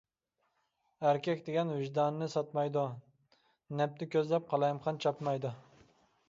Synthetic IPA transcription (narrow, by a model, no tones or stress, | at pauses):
æɾkʲɛkʲd̪eɡʲɛnwɪʒd̪ɑnːɪsɑt̪mɑjd̪ʊ | nɛp̚t̪ɪkʲøzlɛp̚qʰɑlˠɑjmχɑnt͡ʃʰɑpmɑjd̪ʊ